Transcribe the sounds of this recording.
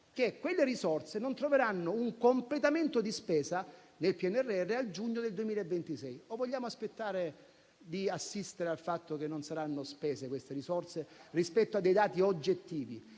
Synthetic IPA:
k̟ekːwelːeɾisɔrt̪senont̪ɾoveɾanːouŋkomplet̪ament̪od̪ispɛːsa | nelpiɛnɛrːeɛrːeald͡ʒuɲːod̪eld̪uemiːlaevːent̪isɛjovoʎːaːmoaspet̪ːaːɾe | d̪iasːist̪eɾealfat̪ːokenːonsaɾanːospɛːsekwest̪eɾisɔrt̪serispɛt̪ːoad̪ːejd̪aːt̪iod͡ʒːet̪ːiːvḭ

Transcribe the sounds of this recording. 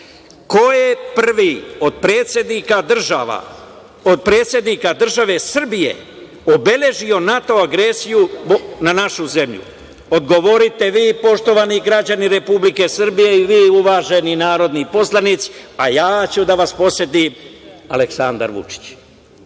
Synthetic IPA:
ko̞jepr̩ʋio̞d̪̚pɾeːt̪sje̞d̪nikad̪rʒaʋa̰ | od̪̚pɾeːt̪sje̞d̪nikad̪r̩ʒaʋe̞sr̩bije̞̰ | obe̞lʲe̞ʒio̞nat̪o̞aɡɾe̞ːsijunanaʃuze̞mʎṵ | o̞d̪ɡo̞ʋo̞ɾit̪e̞ʋiːpo̞ʃt̪o̞ʋaniɡɾad͡ʑaniɾe̞publike̞srbije̞iʋijːuʋaːʒe̞ninaːɾo̞d̪nipo̞slˠanit̪si̥ajaːt͡ɕud̪aʋaspo̞sje̞t̪imaleksand̪a̰ɾʋṵt͡ʃi̥t͡ɕ

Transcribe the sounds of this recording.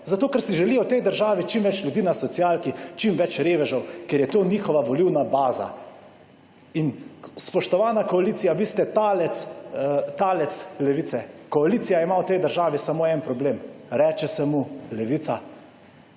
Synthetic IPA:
zat̪oːkɛɾsiʒɛlijɔwt̪ɛjd̪əɾʒaːʋit͡ʃimʋɛt͡ʃljud̪iːnasɔt̪sijaːlkit͡ʃimʋɛt͡ʃɾeːʋɛʒɔwkeɾjɛt̪oːniːxɔʋaʋɔliwnabaːza̰ | inspɔʃt̪ɔʋaːnakɔaliːsijaʋist̪ɛt̪aːlɛt̪st̪aːlɛt̪slɛʋiːt̪sɛkɔaliːt̪sijaimawt̪ɛjd̪əɾʒaːʋisamoːɛnpɾɔbleːmɾɛːt͡ʃɛsɛmulɛʋit̪sa

